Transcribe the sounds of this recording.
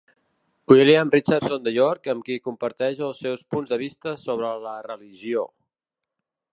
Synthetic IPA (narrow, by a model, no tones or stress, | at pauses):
uiliamrit͡ʃarsond̪əjɔɾkəmkikumpəɾt̪ɛʒəlˠsːɛwspunzðəβ̞ist̪əsoβ̞ɾələrəliʒio